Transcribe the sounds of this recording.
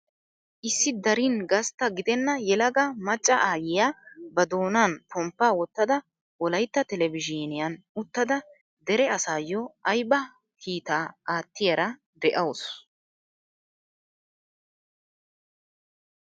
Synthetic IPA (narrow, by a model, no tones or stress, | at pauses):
ʔɪsːɪd̪ɐɾinɡɐst̪ːɐɡɪd̪ɛnːɐjɛlɐɡɐmɐt͡ʃʼːɐʔaːjɪjaːbɐd̪o̞ːnaːnpʰɔmpːaːwɔt̪ːɐd̪ɐ | wɔlɐjt̪ːɐt̪ɛlɛvɪd͡ʒinɪjɐn | ʊt̪ːɐd̪ɐ | d̪ɛɾɛɐsaːjɔʔɐjbɐ | kʰiːt̪aːaːt̪ːɪjɐɾɐ | d̪ɛʔɐws